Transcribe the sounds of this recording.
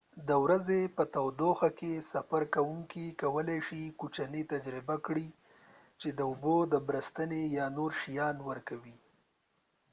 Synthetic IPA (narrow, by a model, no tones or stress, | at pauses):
d̪əwɾazepət̪awd̪oxakesafaɾkawuŋkikawəlajʃikut͡ʃanit̪ad͡ʒɾɪbakɽi | t͡ʃed̪əʊbod̪əbɾəst̪ənejɑnoɾʃijɑnwəɾkawi